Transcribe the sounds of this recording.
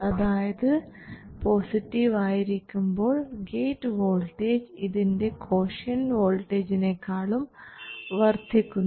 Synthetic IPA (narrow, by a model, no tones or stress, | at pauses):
ɐðaːjɐðɨ | po̞ːsiʈːiʋaːjiɾikʲːumbo̞ːɭɡeːtːɨʋo̞ːlʈeːd͡ʑiðinde̞kʰo̞ːʂɐnʋo̞ːlʈːeːd͡ʑine̞kːaːɭumʋɐrt̪ʰikʲːun